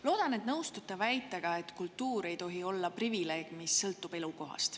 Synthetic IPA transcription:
lo̞ːd̪̥ɑne̞t̪nɤwst̪ut̪ːˑɑvæjt̪ːˑeɡ̥ɑe̞t̪kult̪ːuːɾe̞jt̪o̞ɦio̞lːɑprivile̞ːɡ̥misːɤlt̪ːˑub̥e̞luko̞ɦɑ̰st̪

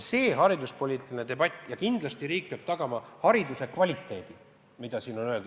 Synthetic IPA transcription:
se̞ːɦɑɾid̪uspo̞lʲiːt̪ˑilinet̪e̞bɑt̪ʲːˑjɑkind̪̥lɑst̪iɾiːk̚peɑb̥t̪ɑɡ̥ɑmɑhɑɾid̪use̞kvɑlʲit̪ːˑe̞ːd̪̥i | mid̪̥ɑsiːno̞nø̞e̞ld̪u̥

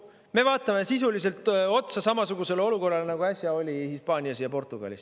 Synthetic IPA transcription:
me̞vɑːt̪ːˑɑme̞sisulise̞lt̪ˑo̞t̪sɑsɑmɑsuɡ̥use̞lo̞luko̞rːɑlenɑɡ̥uæsʲjɑo̞lʲihispɑːnʲiɑsjɑpo̞rt̪ːˑuɡ̥ɑ̰lʲḭs

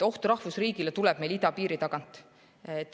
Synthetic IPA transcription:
o̞ht̪uɾɑhvusriːɡilet̪ulɛb̥me̞jlid̪̥ɑpiːɾit̪ɑɡ̥ɑnt̪ˑ | et̪ːˑ

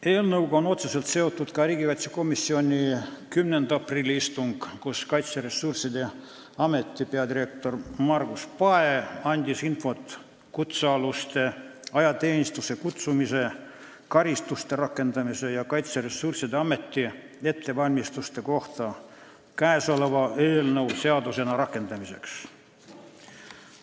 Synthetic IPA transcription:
eːlnɤwɡɑono̞t̪sese̞lt̪se̞o̞t̪ˑːut̪kɑriːɡikɑjt̪seko̞misːio̞nʲikymnend̪̥ɑpriːlʲːiist̪uŋɡ̥kuskɑjt̪seɾe̞sːursid̪e̞ | ɑme̞t̪ːipeɑd̪iɾe̞k̚t̪o̞rmɑrɡuspɑeɑnʲd̪̥ʲisinfo̞t̪ | kut̪sɑlust̪e̞ɑjɑt̪e̞ːnʲist̪use̞kut̪sumise̞ | kɑɾist̪ust̪e̞ɾɑkːˑe̞nd̪ɑmise̞jɑkɑjt̪seɾesːursid̪eɑme̞t̪ːi | e̞t̪ːe̞vɑlʲmist̪ust̪e̞ko̞ht̪ɑ | kæeso̞le̞vɑe̞ːlnɤwse̞ɑd̪use̞nɑɾɑkːe̞nd̪ɑmise̞̰ks

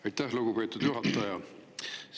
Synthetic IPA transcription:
ɑjt̪ːˑæhluɡ̥upe̞ːt̪ːˑud̪̥juɦɑt̪ːˑɑjɑ

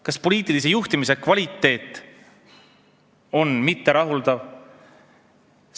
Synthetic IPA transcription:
kɑspo̞lʲiːt̪ːˑilisejuht̪imise̞kvɑlʲit̪ːe̞ːt̪ːˑ | o̞nmit̪ːe̞ɾɑɦuld̪̥ɑv

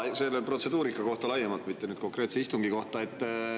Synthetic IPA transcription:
se̞lːelpro̞t̪se̞d̪uːɾikːɑko̞ht̪ɑlɑjːemɑlt̪mit̪ːe̞nyːd̪̥ko̞ŋkre̞ːt̪seist̪uŋɡ̥iko̞ht̪ɑe̞t̪ː

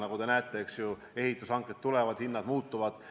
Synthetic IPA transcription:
nɑɡud̪e̞næːt̪ːˑeksju | e̞ɦit̪ːˑusɑŋket̪t̪ːulevɑd̪̥hinːɑd̪̥muːt̪ːˑuvɑd̪̥

